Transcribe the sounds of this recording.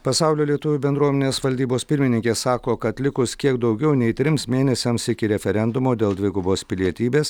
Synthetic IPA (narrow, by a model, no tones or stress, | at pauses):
pɐsɑˑʊlʲoːlʲiɛt̪ʊʋʲuːbʲɛnd̪ɾuɔmʲɛnʲeːsʋɐlʲd̪ʲiːboːspʲɪɾʲmʲɪnʲɪŋʲkʲeːssɑːkoːkɐt̪lʲɪkʊskʲiɛkd̪ɒʊɡʲɛʊnʲɛɪt̪ʲɾʲɪmsmʲeːnʲɛsʲɛmsɪkʲɪɾʲɛfʲɛɾʲɛnd̪ʊmoːd̪ʲeːlˠd̪ʲʋʲɪɡʊboːspʲɪlʲiɛt̪ʲiːbʲeːs